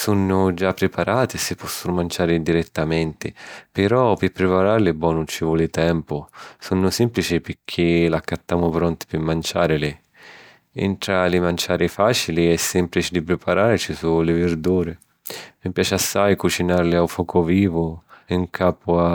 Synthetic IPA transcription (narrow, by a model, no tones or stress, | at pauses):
sunːʊd͡ʒapːɾɪpaɾʔaːt̪ɪsɪpːɔsːʊnʊmant͡ʃaːɾɪd̪iɾɛt̪ːamɛnt̪ɪpɪɾɔpɪpɾɪpaɾaɾlɪbɔːnut͡ʃivɔlɪt̪ɛmpʊsunːʊsɛmplit͡ʃɪpɪɾkʰːɪlakːat̪ːaːmʊpɾɔnt̪ɪ̥pɪmːant͡ʃaːɾɪlɪ | ḭnt̪ɾalɪmant͡ʃaːɾɪfaːt͡ʃiliɛsːɛmplit͡ʃɪd̪ipɾɪpaɾaːɾt͡ʃisulɪvɪrd̪uːɾɪ | mipjaːt͡ʃɪasːajkut͡ʃinaɾlɪawfɔːkʰʊviːvʊiŋkʰaːpʊa